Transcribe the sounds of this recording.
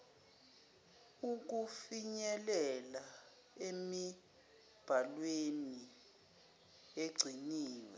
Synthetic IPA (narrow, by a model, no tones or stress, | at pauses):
uk̬ufiɲɛlɛla | emi | b̥ʱalweni | eɡ͡ǀʱiniːwɛ̰